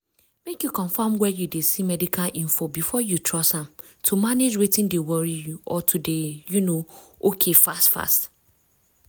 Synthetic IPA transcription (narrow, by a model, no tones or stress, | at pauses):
mekjukʰɔ̃ɱfãmwɛjudesimɛdikʰalʔĩnfobifɔjutʰɹɔshãm | tʰumaned͡ʒɹitĩndewɔɹijuʔɔtʰudejunõ | okʰefa̰stfa̰st